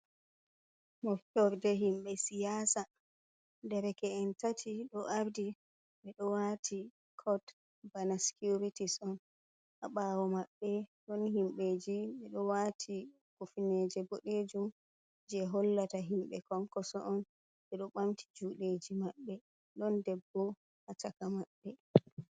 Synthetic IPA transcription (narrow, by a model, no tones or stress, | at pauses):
mɔftɔɾdɛɦimɓɛsijaːsa | dɛɾɛkɛɛntatʰiɗɔʔaɾdi | ɓɛɗɔwatʰi | kʰɔd | banasi̥kuɾitisɔn | ʔaɓaːwɔmaɓːɛɗɔnhimɓeːd͡ʒiɓɛɗɔwatʰi | kufined͡ʒɛboɗed͡ʒum | d͡ʒɛɦɔlːataɦimɓɛ̰kɔŋkɔsɔʔɔn | ɓɛɗɔɓamtʰi̥d͡ʒuɗed͡ʒimaɓːɛ | ɗɔndɛbːɔ | hatakamaɓːɛ